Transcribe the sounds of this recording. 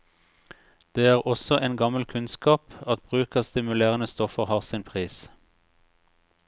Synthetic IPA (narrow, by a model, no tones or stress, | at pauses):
d̪̥eːæːʁɔsɔʔeːnɡɑməl̩kʰʉnskɑːpɑt̪̚b̥ʁʉːkɑst̪ɪmʉleːʁənəst̪ɔfəʁhɑːʁsɪnpʰʁiːs